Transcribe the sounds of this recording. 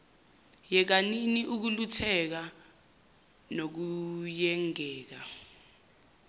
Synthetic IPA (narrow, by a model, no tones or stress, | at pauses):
jɛk̬aniniʔuk̬ulutʰɛk̬a | nok̬ujɛŋɛːk̬a